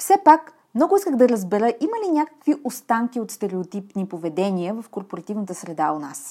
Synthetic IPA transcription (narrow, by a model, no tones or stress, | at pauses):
fsɛpak | mnɔɡʊiskəɣd̪ɐɾəzbɛɾəʔiməlinʲakə̥kviʔost̪aŋkʲiot̪st̪ɛɾɛot̪ipnipovɛd̪ɛniəvɐfkoɾpoɾɐt̪ivnət̪əsɾɛd̪aona̰s